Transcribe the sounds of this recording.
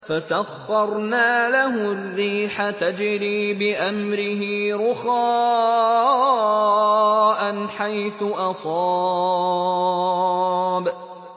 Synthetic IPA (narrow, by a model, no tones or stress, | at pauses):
fasaɣːɑɾˤnaːlahʊrːiːħat̪ad͡ʒɪɾiːbɪʔamɾɪɦiːɾʊxaː | ʔanħajθʊʔɑsˤɑː | b